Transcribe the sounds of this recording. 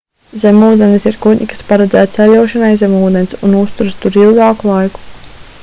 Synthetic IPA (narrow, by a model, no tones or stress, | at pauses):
zʲɛmuːd̪ʲɛnsiɾkuɲʲikḁspaɾɛd̪zæːt̪sɛlʲuwʃanajzʲɛmuːd̪ensʲunust̪uɾst̪uɾilˠɡɑːkulˠajku̥